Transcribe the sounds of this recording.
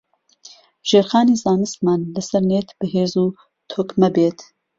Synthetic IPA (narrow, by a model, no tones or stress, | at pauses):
ʒ̥eːɾxɑːniːzaːnɨst̪mɑːnlɨsɛɾneːt̪b̥ɨɦeːzuː | t̪ʰoːkmɛbeːt̪